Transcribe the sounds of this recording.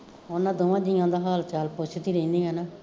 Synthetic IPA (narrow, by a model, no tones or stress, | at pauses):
onãːd̪oːʋãːd̪ɪjãːd̪aːɦaːlt͡ʃaːlpot͡ʃʰt̪iːɾəĩnd̪iːɦɛːnaː